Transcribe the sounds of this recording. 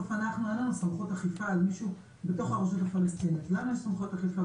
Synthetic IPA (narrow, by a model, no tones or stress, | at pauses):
ofanaχnuananusamχot̪aχifaːlmiʃu | bet̪o̞χhaʁoʃ̬ot̪afalest̪init̪laananusamχot̪aχifa